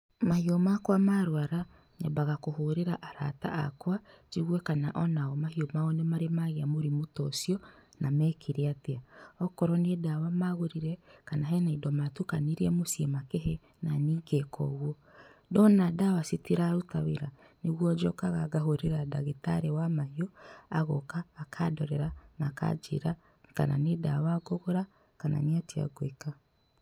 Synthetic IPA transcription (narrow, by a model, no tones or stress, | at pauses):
mahiɔmakwamaɾwaɾa | ɲabaɣakoɦoɾeɾaʔaɾata̰a̰kwat͡ʃiɣwɛkana̰ʔɔnaɔmahiomaɔnemaɾemaɣeamoɾimotɔsiɔnamɛːkʰeɾeateaɔkɔɾɔnedawamaɣoɾiɾɛkanaɦɛnaidɔmatukaniɾiɛmosiɛmakeɦɛ | naniːɡɛkʰɔ̰ɣwɔ | dɔnadawasitiɾaɾotaweɾa | neɣwɔd͡ʒɔkaɣaɡaɦoɾeɾadaɣetaɾewamaiɔaɣɔkaːkʰadɔɾɛɾanaka̰d͡ʒḛɾa | ka̰na̰nedawaɡoɣoɾa | kana̰neatia̰ɡweka